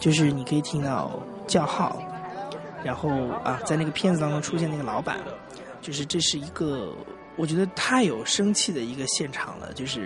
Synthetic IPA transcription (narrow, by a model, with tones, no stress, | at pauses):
t͡ɕjo˥˧ʊʂ̬ɻ̩˥˩ni˨˩kʰɤ˧˥i˨˩t̪ʰi˥ŋt̪ɑ˥˧ʊ | t͡ɕjɑ˥˧ʊxɑ˥˩ʊ | ɻa˧˥nxo˥˩ʊɐ̰˧t͡sa˥˧na˥˩ɡə˩pʰjɛ˥˩nd͡zɹ̩˨˩t̪ɑ˥ŋʈ͡ʂʊ˥ŋʈ͡ʂʰu˥ɕjɛ˥˩na˥˩ə˩lɑ˧˥ʊpa̰˨˩nd̪ə̰˦ | t͡ɕjo˥˧ʊʂɻ̩˥˧ʈ͡ʂɤ˥˧ʂɻ̩˥˩i˧˥ɡə˧ | wɔ˨˩t͡ɕɥɛ˧˥d̪ə˧t̪ʰa˥˩ɪjo˨˩ʊʂɤ˥ŋt͡ɕʰi˥˩d̪ə˩i˧˥ɡə˧ɕjɛ˥˩nʈ͡ʂʰɑ̰˨˩ŋlə̰˦t͡ɕjo˥˧ʊʂɻ̩˥˩